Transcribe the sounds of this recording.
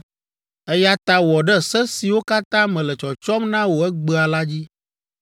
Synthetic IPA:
ɛ˦ja˦t̪a˦wɔ˨ɖɛ˦sɛ˦si˨wo˦ka˦t̪ã˦mɛ̃˨lɛ˨t͡ʃɔ˨t͡ʃɔ˦mnã˦wo˨ɛ˦ɡ͡bə˦a˨la˦d͡ʑi˦

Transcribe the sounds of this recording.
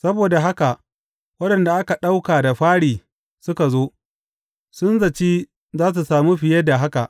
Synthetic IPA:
sɐ˦boː˨da˨ɦa˦ka˨ʔ | wɐ˦ɗɐ˨nda˨ʔa˦ka˨ɗa˦wkaː˨da˨ɸaː˦ɽiː˨ | sʊ˦ka˨zoː˦ | sʊ˦nzɐ˨t͡ʃiː˦ | zaː˦s̬u˨saː˨mu˦ɸɪ˨jɐ˦da˨ɦa˦ka˨ʔ

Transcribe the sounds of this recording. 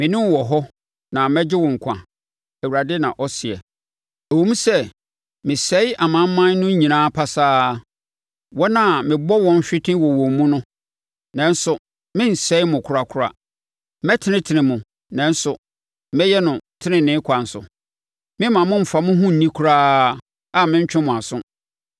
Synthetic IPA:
mɪ̃˨nɪ̃˦wɔ˨ɦɔ˦ | nã˨mɛ˦d͡ʑɪ˦wɔ̃˨ŋ̩˨kʷʰã̰˨ | æ˨wu˨ɾa˨dɪ˦nã̰˨ʔɔ˦sɪ˨ɛ̰˨ | æ˨wu˦mũ˦sɛ˦ | mɪ̃˨sɛ˦ɪ˦ʔa˨mã˨˦m̩˦mã˦n˦nʊ̃˦ɲĩ˨nãː˦pʰa˦saː˦ | wɔ˦nã˨mɪ̃˨bɔ˦wɔ̃˦n˦ɕᶣɪ˦tʰɪ̃˦wɔ˨wɔ̃˨m˨mːũ˦nʊ̃˦ | nɛ̃˨n̩˦sʊ˨ | mɪ̃˦n̩˨sɛ˨˦ɪ˦mʊ̃˨kʰʊ˨ɾa˨kʰʊ˦ɾa̰˨˦ | mɛ˦tʰɪ˦nɪ̃˦tʰɪ˨nɪ̃˨mʊ̃˨ | nɛ̃˨n̩˦sʊ˨˦ | mɛ˦jɛ˦nʊ̃˨tʰɪ˦nɪ̃˨nɪ̃˦kʷʰa˨n̩˨sʊ̰˨ | mɪ̃˦mã˨mʊ̃˦m̩˨fa˨mʊ̃˦ɦũ˦n̩˨nĩ˦kʰʊ˦ɾaː˦ | a˨mɪ̃˦ɲ˦t͡ɕᶣɪ̃˦mʊ̃˨a˨sʊ̃˦

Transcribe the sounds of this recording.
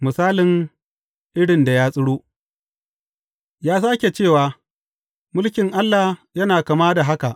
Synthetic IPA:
mʊ˨saː˦lɪ˨ŋ | ʔɪ˦ɽɪ˨nda˨jaː˦sʼɪ˦ɽoː˦ʔ | jaː˦saː˦kʲe˨t͡ʃeː˦˨waː˨ | mʊ˦lkʲɪ˨ŋʔa˦lːa˨jɐ˦naː˨ka˨maː˦da˨ɦa˦ka˨ʔ

